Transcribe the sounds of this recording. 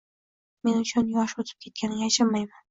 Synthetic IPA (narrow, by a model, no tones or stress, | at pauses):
menʊt͡ʃanjɑʃot̪ʰɪ̥p̚kʲet̪̚kʲʰanaʃamːajman